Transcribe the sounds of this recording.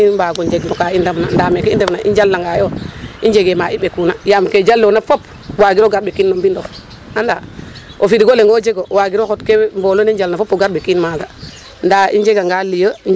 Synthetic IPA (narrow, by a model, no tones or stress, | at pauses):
ibaɡoɲd͡ʒeɡnokaindamna̰ndamekeindemnaʔḭnd͡ʒalːaŋɡajoind͡ʒeɡemaiɓekunajamked͡ʒalːonafop | waɡiɾoɡaɾɓekinːombindof | anda̰ | ofiɾiɡoleŋɡod͡ʒeɡowaɡiɾokotkembolonend͡ʒalnafopoɡaɾɓekinmaɡa | ndaind͡ʒeɡaŋɡalijə